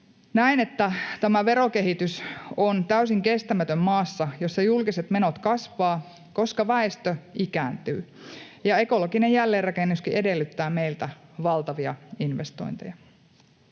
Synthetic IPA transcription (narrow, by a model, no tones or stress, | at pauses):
næinet̪ːæt̪æmæʋe̞ɾo̞ke̞ɦit̪ysont̪æysiŋke̞st̪æmæt̪ømmɑːsːɑjosːɑjulkiset̪me̞not̪kɑsʋɑː | ko̞skɑʋæest̪øikæːnt̪y̰ː | jɑe̞ko̞lokinejjælːeːrɑkenːuskiʔe̞de̞lːyt̪ːæːme̞ilt̪æʋɑlt̪ɑʋiɑ̰inʋest̪o̰jnt̪ejɑ